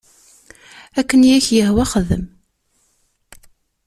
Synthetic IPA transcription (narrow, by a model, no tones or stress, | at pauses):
ækːənjæçjəhwæχəðə̰m